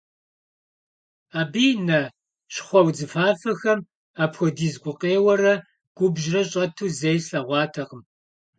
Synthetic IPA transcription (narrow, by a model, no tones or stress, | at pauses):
aːbiːnɐ | ɕχʷɔwd͡zɨfaːfɐxɐm | aːpxʷɔdiːzɡʷʊqʼeːwɐrɐ | ɡ̥ʷʊbʒrɐɕʼɐtʰuːzejsɐʁʷɑːtʰɐqəm